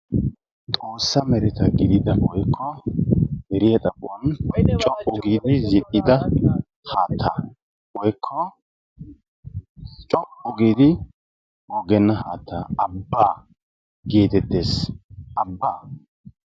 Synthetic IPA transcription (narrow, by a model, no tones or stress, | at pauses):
t̪ʼo̞ːsːɐmɛɾɛt̪ɐɡɪd̪ɪd̪ɐwɔjkʰːɔ | hɛɾɪjɐt̪ʼɐpʼːʊɔnt͡ʃʼɔʔʼːʊɡiːd̪ɪzɪʔːɪd̪ɐ | haːt̪ʰːa | wɔjkʰːɔ | t͡ʃʼɔʔʼʊɡiːd̪ɪ | wɔɡɛnːɐɦaːt̪ːa̰ːɐbːaː | ɡeːt̪ɛt̪ːeːsʔɐbːaː